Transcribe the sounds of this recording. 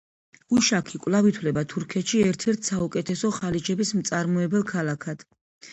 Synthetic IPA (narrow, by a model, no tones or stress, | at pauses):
uʃakʰikʼvlˠavit̪ʰwlɛbat̪ʰuɾkʰɛt̪ʃiɛɾt̪ʰɛɾt̪ʰsaukʼɛt̪ʰɛsɔχalit͡ʃʰɛbismt̪sʼaɾmɔɛbɛlˠkʰalˠakʰad̪̥